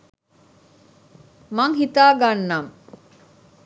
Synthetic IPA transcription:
maŋɦit̪aːɡanːam

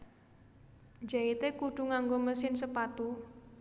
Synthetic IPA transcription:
d͡ʒait̪ekuɖ̥ṳŋaŋɡoməsɪnsəpat̪u

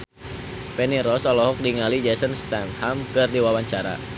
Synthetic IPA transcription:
pɛniɾɔsɔlɔɦɔk̚diŋalid͡ʒɛsənst̪anhamkɨrdiwawaɲt͡ʃaɾa̰

